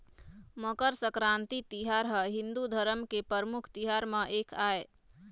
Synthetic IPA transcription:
məkəɾsəkɾant̪it̪iɦaɾɦəɦind̪ud̪ʱəɾəmkepəɾmukʰt̪iɦaɾmeʔekʰae

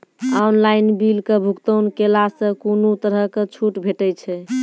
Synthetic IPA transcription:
anlainbilkebʱukt̪ənkelasə̃konut̪əɾəket͡ʃʰuʈbʱeʈɛjt͡ʃʰɛ

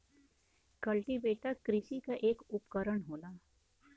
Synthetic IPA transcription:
kɐlʈibeːʈakɾɪʃikaʔeːkʊpkəɾəɳɦoːlaː

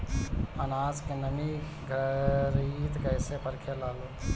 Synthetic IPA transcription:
ənaːd͡ʒkenəmi | ɡʱəɾit̪kəjsepəɾkʰelaːlo

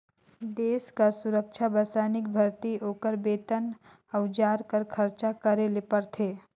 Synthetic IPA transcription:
d̪eːskəɾsʊɾəkʃʰabəɾsaːnɪk̚bʱɐɾt̪ioːkəɾbeːt̪ən | ɐwd͡ʒaːɾkəɾkʰəɾt͡ʃakəɾelepəɾt̪ʰeː

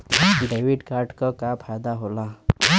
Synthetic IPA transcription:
ɖeʋiɖkaɾɖkəkapʰajd̪aɦola

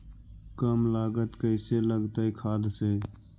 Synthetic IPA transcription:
kəmlaːɡət̪kəɪseləɡt̪əikʰaːd̪seː

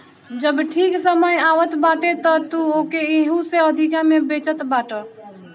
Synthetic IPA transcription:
d͡ʒəbʈʰiksəməjaʋət̪baʈet̪ɔt̪uokeeɦũseəd̪ʱikamebet͡ʃət̪baʈə

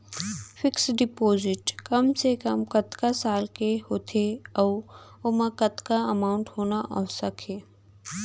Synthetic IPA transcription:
fɪksɖɪpoːzɪʈkɐmsekɐmkɐt̪kasaːlkehoːt̪ʰeɔːʊmə̃kət̪kaɐmaːʊ̃ɳʈhoːnaʔɔsəkʰeː

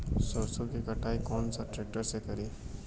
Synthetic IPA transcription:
soɾsokikɐʈaːikɔːnsaʈɾeːk̚ʈəɾsekɐɾiː

